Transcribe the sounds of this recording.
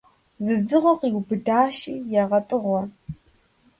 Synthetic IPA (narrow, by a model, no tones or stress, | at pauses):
zɨzɨʁʷɔqiːɡʷbɨdaːʃiːjaʁɐtʼɨʁʷɔ